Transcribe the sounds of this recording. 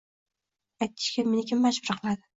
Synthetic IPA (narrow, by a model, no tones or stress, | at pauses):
ajt̪̚ʰːɪ̥ʃkʲamenɪkʰʲɪmːaʃbʊɾqʰɨlˠad̪ɪ